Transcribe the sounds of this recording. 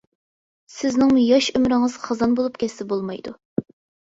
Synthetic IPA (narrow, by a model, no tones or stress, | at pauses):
sɪznɪŋmujɑʃymɾɪŋɨz̥χɑzɑnbolˠupkʲʰɛsɪbolˠmɑjd̪u